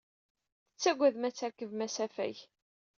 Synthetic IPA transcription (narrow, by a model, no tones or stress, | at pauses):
θə̥t͡sːæɡʷæðmæt͡sːæɾkːəvmæsæfæ̰ç